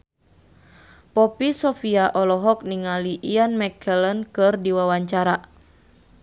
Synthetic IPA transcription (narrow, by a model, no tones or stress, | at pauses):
pɔpisɔfiaʔɔlɔɦɔk̚niŋaliʔianmɛkʰɛlənkɨrdiwawaɲt͡ʃaɾa